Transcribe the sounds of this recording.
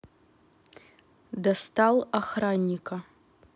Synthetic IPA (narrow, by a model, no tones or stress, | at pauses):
dastʰalaχranʲːikʰa